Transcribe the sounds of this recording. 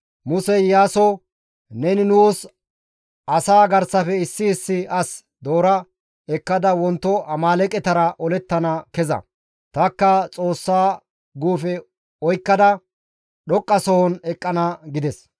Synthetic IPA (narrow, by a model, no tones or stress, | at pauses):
mʊsɛjaːsɔ | nɛnɪnuːs | ʔɐsaːɡɐɾsɐfɛɪsːɪːsːɪɐs | d̪oːɾɐ | ɛkːɐd̪ɐwɔnt̪ːɔʔɐmaːlɛkʼɛt̪ɐɾɐʔɔlɛt̪ːɐnɐkɛzɐ̰ | t̪ɐkːɐt͡sʼo̞ːsːaː | ɡuːfɛ | ɔjkːɐd̪ɐ | ɗɔkʼːɐsɔhɔnɛkʼːɐnɐɡɪd̪ɛs